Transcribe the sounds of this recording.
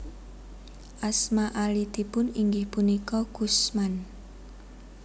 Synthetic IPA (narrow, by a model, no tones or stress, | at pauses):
ʔasmaʔalid̪i̤pʊniŋɡɪhpunikɔɡ̥usman